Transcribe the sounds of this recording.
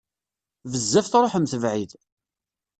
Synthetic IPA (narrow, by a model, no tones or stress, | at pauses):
vəzːæfθɾˤoħəmθəvʕið